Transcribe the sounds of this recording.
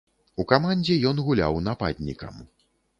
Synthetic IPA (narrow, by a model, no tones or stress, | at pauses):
ukamanʲd͡zʲɛjɔnɣulʲa̰wn̪apa̰d̪ʲnʲḭkɐ̰m